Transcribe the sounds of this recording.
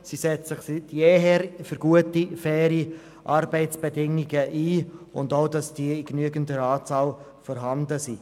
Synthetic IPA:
sisɛt͡ssɪχstjeɦɛɾfʏɾɡuətifɛːɾi | ʔɑɾbɛɪt͡sb̥ɛdɪŋiɡəʔiːʊndoʊdɑsd̥iəɪknyəɡəndəɾɑːt͡sɑːl | fɔɾɦɑndəsi

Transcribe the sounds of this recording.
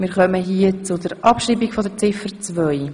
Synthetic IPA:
mɪːɾχœməɦiət͡sʊdɛɾʔɑpʃɾiːbiɡfɔdət͡sɪfəɾt͡svœʏ

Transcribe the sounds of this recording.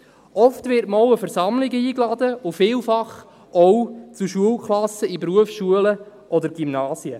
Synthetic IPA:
ʔɔftʋɪɾtmɔwəfɛɾsɑmlɪɡəiːklɑdəʊfɪːlfɑχ | ɔwt͡suʃuəlkχlɑsəipɾuəfsʃuələʔɔdəɾɡ̥imnɑːsjə

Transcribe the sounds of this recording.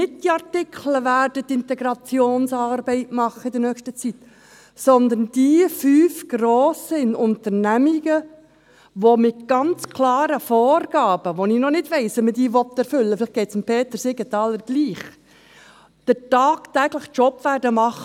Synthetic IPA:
nɪt̚d̥iɑrtɪkʰləʋæːɾd̥ət̪ɪnt̪ɛɡɾɑt͡sjoːnsɑːɾbɛɪtmɑχəɪdəɾnœkʃtət͡sit̪ | sɔnd̪ənd̥ifyːfɡ̥roːsəɪnʊnt̪əɾnæmiɡə | ʋomɪt̪ɡ̥ɑnt͡skʰlɑːɾəfɔːɾɡ̥ɑːb̥əʋonɪnɔnɪdʋɛɪsɛmədiːʋɔt̪ːɛɾfʏlːəfɪlɪχɡ̥ɛɪtsmpʰeːt̪əɾsɪɡətɑːləɾɡ̥liːχ | d̥ətɑːktæːɡ̥ləχt͡ʃɔpːʋæːɾdəmɑχə

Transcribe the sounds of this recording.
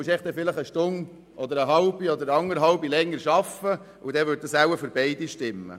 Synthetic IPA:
əʃɛɪχd̪ɛfɪləχəʃtʊn | ʔɔd̪əɾəɦɑlbiɔd̪əɾəɑŋːəɾɦɑlbilɛŋːəɾʃɑfə | ud̪ɛʋøt̚d̥̪ɑsæwəføɾbɛɪd̪iʃtɪmːə̰

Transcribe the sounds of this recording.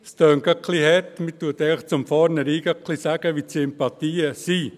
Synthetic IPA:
st̪œːŋɡɑkʰlihɛt̪mit̪uət̪ɛɪləχt͡sʊmfɑːɾnəɾiːɡ̥ɑkʰlisæɡ̥əʋitsɪmpɑt̪iːəsi

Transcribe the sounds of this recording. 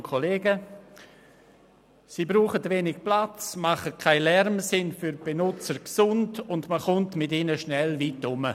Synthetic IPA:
kʰoleːɡə | siːbɾuːχətveːnɪk̚plat͡smaχəkʰaɪlɛrmsɪnfyɾb̥enʊt͡səɾksʊndʊndməχʊntmɪtinəʃnɛlvitʊmə

